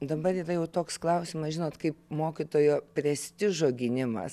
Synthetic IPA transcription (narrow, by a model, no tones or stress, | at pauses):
d̪ɐbɐɾiːrɐjɛʊt̪oːksklˠɐʊsʲɪmɐsʒʲɪnoːt̪kɐɪpmoːkʲɪt̪oːjoːpʲɾʲɛsʲt̪ʲɪʒoːɡʲɪnʲɪmɐ̰s